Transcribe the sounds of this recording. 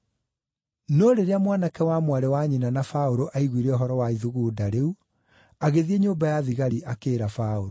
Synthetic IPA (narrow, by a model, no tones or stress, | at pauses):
noɾeɾeamwanakɛwamwaɾɛwaɲinanafaoɾoʔaiɣwiɾɛɔɦɔɾɔwaiðuɣuːdaɾeu | aɣeðieɲoːmbajaðiɣaɾiʔakeːɾafaoɾo